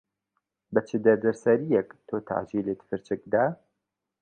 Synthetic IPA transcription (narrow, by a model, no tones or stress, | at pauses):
bɐt͡ʃʰɨd̪ɐɾd̪ɐɾsɐɾijɛkt̪ʰoːt̪ʰa̰ʕd͡ʒilet̪fɨɾt͡ʃɨk̚d̪aː